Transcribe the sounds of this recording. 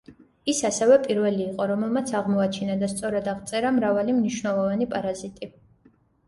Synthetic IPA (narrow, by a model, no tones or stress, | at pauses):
isasɛvɛpʼiɾvɛliːqʼɔɾɔmɛlˠmat̪sʰaʁmɔat͡ʃʰinad̪ast̪sʼɔɾad̪aʁt̪sʼɛɾamɾavalimniʃvnɛlˠɔvanipʼaɾazit̪ʼi